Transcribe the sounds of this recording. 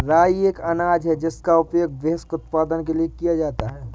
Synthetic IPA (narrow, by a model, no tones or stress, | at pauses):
ɾaːieːkɐnaːd͡ʒɦɛd͡ʒɪskaʊpjoːɡ̚ʋeɦskʊt̪paːd̪ənk̬eliekijad͡ʒaːt̪aɦɛː